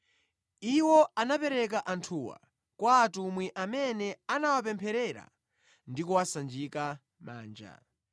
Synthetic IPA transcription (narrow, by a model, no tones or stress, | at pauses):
iwɔanapɛɾɛk̬aʔantʰuwa̰ | kwaːtumwiʔamɛnɛanawap̬ɛmpʰɛɾɛɾa̰ | ndikuwasand͡ʒika | ma̰ːnd͡ʒa̰